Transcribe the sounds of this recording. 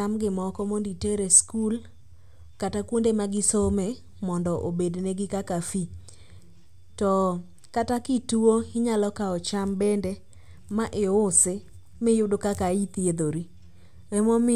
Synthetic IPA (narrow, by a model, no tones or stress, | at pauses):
amɡɪmɔkɔmonditeɾeskul | katakwondemaɡɪsomɛ | mɔndɔʔobedneɡɪkakafi | tɔ | katakɪtuoɪɲalɔkaɔt͡ʃambɛndɛ | maʔɪʊsɪ | mɪjʊdokakait̪ied̪oɾi | ɛmɔmɪ